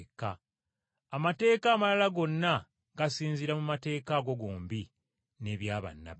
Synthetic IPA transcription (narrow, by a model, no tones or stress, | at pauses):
kaː | mate̞ːkaːmalalaɡo̞nːa | ɡasiːnziɾamumate̞ːkaɡo̞ɡoːmbi | ne̞βjaːβa̰nːa̰